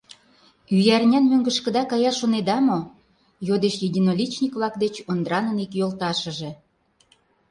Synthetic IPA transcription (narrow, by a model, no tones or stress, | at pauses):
yjærnʲænmøŋɡə̆ʃkə̆d̪ɑkɑjɑʃoned̪ɑmo | jod̪eʃjedʲinolʲit͡ɕnʲikβlɑkd̪et͡ɕond̪ɾɑnənikjolt̪ɑʃə̆ʒĕ